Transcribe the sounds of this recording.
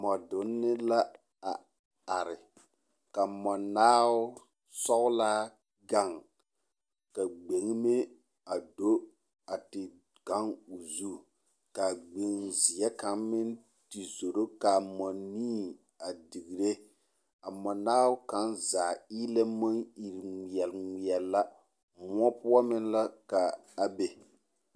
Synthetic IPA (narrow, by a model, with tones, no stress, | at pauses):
mɔ˨dʊ˨˦nːɪ˦la˦ | a˨ | a˨ɾɪ˨ | ka˨mɔ˨naː˦wʊ˦ | sɔ˦ɣʊ˦laː˦ | ɡa˦˨ŋ | ka˨ɡ͡be˨ŋ˦me˦ | a˨do˦ | a˨tɪ˨ | ka˦ŋu˨zu˦˨ | ka˨ɡ͡be˨ŋzi˨ɛ˦ka˨˦ŋmɪ˦n | ti˨zo˨ɾo˦ka˨mɔ˨niː˦ | a˨di˨ɣi˨ɾe˦ | a˨mɔ˨naː˦wka˨˦nzaː˨iː˦lɛ˦mɔ˦ŋi˨ɾŋʷi˨ɛ˨lŋʷi˨ɛ˨lːa˦ | mʊ˦ɔ˦pʊ˦ɔ˦mɪ˦nla˦ka˨a˨be˨